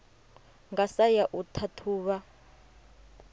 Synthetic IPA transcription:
ŋɡasajaʔutʰatʰuːβa

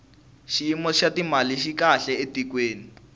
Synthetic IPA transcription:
ʃiimɔʃatimaliʃikaɬɛetikweːni

